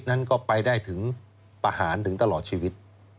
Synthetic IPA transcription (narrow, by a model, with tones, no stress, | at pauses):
t̪̚na˦˥˩nkɔː˥˩pa˧jdaː˥˩jt̪ʰɯ˩˦ŋ | pa˧haː˩˦nt̪ɯ˩˦ŋt̪a˧lɔː˨˩t̪̚t͡ɕʰiː˧wi˦˥t̪̚